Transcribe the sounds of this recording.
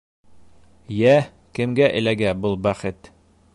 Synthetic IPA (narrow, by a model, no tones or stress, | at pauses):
jæ | kɘ̆mɡæʔɘ̰̆læɡæbɤlˠbæχɘt̪